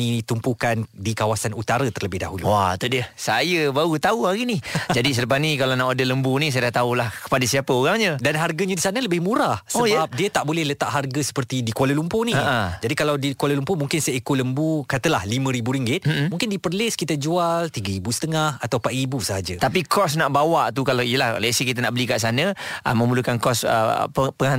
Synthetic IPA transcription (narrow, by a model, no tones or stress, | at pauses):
it̪umpukandikawasanut̪aɾət̪ərləbɪhda̰ɦulṵwa̰t̪udiəsajəbaɣut̪auhaɣinid͡ʒadis̬ələpasnikalanaʔadələmbunĩs̬ajadaʔt̪aulahkə̥padasiapəoɾaŋɲədanɦarɡəɲadisanə̃ləbɪhmũɾahsoəbap̚diət̪aʔbolɛhlət̪aʔɦarɡəsə̥pərt̪idikualəlumponiəʔəd͡ʒadikalawdikwaləlumpomuŋkɪnsajaikʊləmbukat̪əlahlimə̃ɾibuɾiŋɡɪt̪̩̚mũŋkɪndipərlɪskit̪əd͡ʒualt̪iɡəɾibusə̥t̪əŋahat̪awpaʔ̪ribusəɦad͡ʒət̪apikɔsnaʔbawaʔt̪ukalaijəlahlɛsikit̪ənaʔbəlikaʔs̬anəʔə̰mə̃mbulukankɔsə̰pəpəŋaa